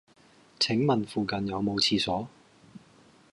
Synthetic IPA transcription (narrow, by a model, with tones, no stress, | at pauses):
t͡sʰɪ˨˥ŋmɐ˨nfuː˨kɐ˨njɐ˨˧wmo˨˧wt͡sʰiː˧sɔː˨˥